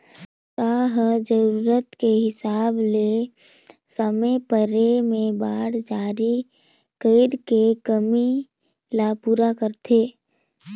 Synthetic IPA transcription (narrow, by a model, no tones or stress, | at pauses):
saɦd͡ʒəɾuːɾət̪keɦɪsaːble | səmepəɾemẽbaːɽd͡ʒaːɾi | kəɪɾkekəmi | lapuːɾakəɾt̪ʰeː